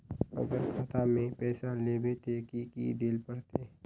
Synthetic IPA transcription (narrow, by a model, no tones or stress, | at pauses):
ə̰ɡəɾkʰaːt̪ʰamẽpɛːsaleːbet̪ekikḭd̪elpəɽt̪e